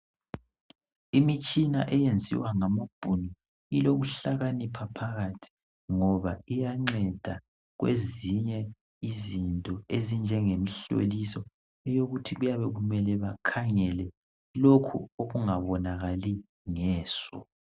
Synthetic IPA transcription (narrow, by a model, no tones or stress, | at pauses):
imit͡ʃʼina̰ʔɛjend͡zʱḭwaŋamab̥ʱunɔ | iloɣuɬaɣanipʰapʰaɣatʰi̥ | ŋɔβaijaŋ͡ǀɛd̥ʱa | ɣwḛziɲɛ | izintʼɔezind͡ʒʱɛŋemiɬo̰lisɔ | ɛjoɣutʰiɣujaβɛɣumɛlɛβakʰaŋɛlɛ | lokʰṵoɣuŋaβɔnaɣali | ŋɛːsɔ̰